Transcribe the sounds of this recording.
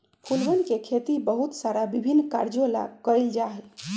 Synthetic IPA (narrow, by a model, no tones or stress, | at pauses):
pʰulbənkekʰet̪ibəɦut̪saɾabibʱinːkaɾd͡ʒola̰kəɾɛld͡ʒaɦɛl